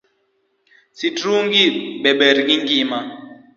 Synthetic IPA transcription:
sitɾuŋɡiɓɛɓɛɾikiŋɡima

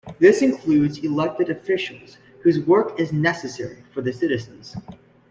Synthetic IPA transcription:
ðɪsɨ̃nkʰl̥ʉdzɨlɛk̚tɨɾɨfɪʃl̩ˠz̥ | hʉzwɜ˞kɪznɛsɨsɛɹifə˞ðɨsɪɾɨzɨ̃n̩z̥

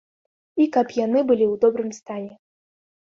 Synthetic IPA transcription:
ikapjanɨbɨlʲiwd̪ɔbɾɨmst̪anʲɛ

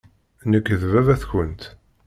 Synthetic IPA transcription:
nəkːəðvævæθçənt̪

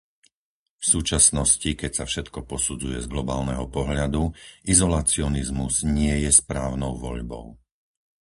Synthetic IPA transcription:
fsuːt͡ʃasnɔscikɛcsafʃɛt̪kɔpɔsud͡zujɛzɡlɔbaːlnɛɦɔpɔɦʎad̪uʔizɔlaːt͡siɔnizmuz̥ɲɪɛjɛspɾaːʊnɔʊʋɔ̰ʎbɔ̰ʊ

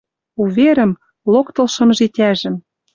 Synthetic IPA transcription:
uvʲeɾɘ̆m | lokt̪ɤ̆lʃɤ̆mʒit̪ʲæʒɘ̆m

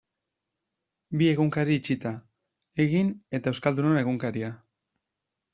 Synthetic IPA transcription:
bie̞ɣuŋkaɾiːt͡ʃit̪a | e̞ɣine̞t̪aewskald̪unone̞ɣ̞uŋkaɾia

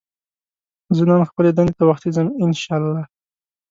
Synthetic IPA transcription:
zənɑnxpəled̪anet̪awaxt̪izəmɪnʃɑlːɑ

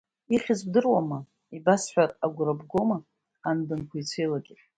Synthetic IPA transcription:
iχʲɪzbdɨrwama | ibasħʷᶣaraɡʷrabɡo̞maː | nbɨnkʰʷajt͡sʷʰejlaɡʲɪ

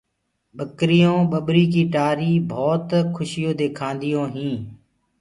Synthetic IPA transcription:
ɓəkɾɪjõːɓəɓɾiːk̬iːʈaːɾiːbʱɔːt̪kʰʊʃɪjõːd̪eːkʰãːnd̪ɪjõːɦĩː

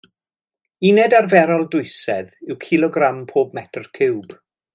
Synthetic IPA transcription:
inɛdarvɛɾɔlˠdʊɨsɛðɪwkʰɪlˠɔɡrampʰoːb̚mɛtʰrkʰɪwb̥

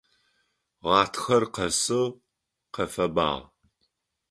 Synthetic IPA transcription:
ʁɑːtʰxɐrqɐsɨ | qɐfɐba̰ːʁ

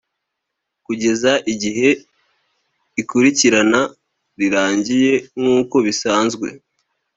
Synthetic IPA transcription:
kuɟe̞zaʔiɟiɦe̞ | ikuɾiciɾana | ɾiɾaːɲɟije̞ŋuːko̞βisaːnzɡwe̞̰

